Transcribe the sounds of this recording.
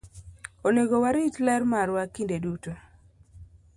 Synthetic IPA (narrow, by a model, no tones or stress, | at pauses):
oneɡowaɾitlɛrmaɾwakindeduto